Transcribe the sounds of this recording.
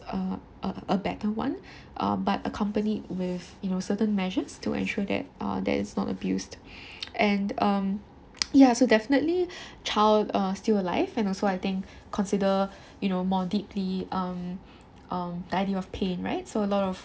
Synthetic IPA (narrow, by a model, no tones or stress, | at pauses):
ʌ | ʔəəbɛtəwã̰n | ʔʌ̰batə̰kʰʌ̃mpənit̚wɪðjunosətə̃nmɛʒəstʰṵʔɛ̰̃nʃuəd̪ɛ̰t̚ʌ̰d̪ɛ̰tɪ̰tsnɔ̰tə̰bjust | ʔɛ̃nʌ̃m | jasodɛfənətlit͡ʃʰaɪldʌstiləla̰ɪvɛ̃nɔlsoaɪt̪ɪ̃ŋkʰː | ɔ̃nsidə | junomɔdipʰliʔʌ̃m | ʔʌmdaɪdiɔfpʰẽnɹa̰ɪt̚soəlɔɾɔf